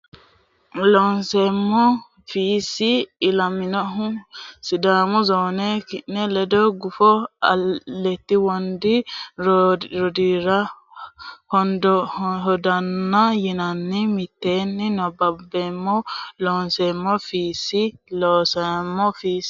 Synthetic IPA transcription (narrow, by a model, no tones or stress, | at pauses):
lɔːnsemːɔ | fiːsːɪːlɐmɪnɔɦʊsɪd̪aːmʊzoːnɛkɪʔnɛlɛd̪ɔɡʊfɔɐlːɛt̪ːɪwɔnd̪ɪ | ɾɔd̪iɾɐ | hɔnd̪ɔɦɔd̪ɐnːɐjɪnɐnːɪmɪt̪ːeːnːɪnɔbɐbːemːɔloːnsemːɔfiːsːɪloːsɐmːɔfiːs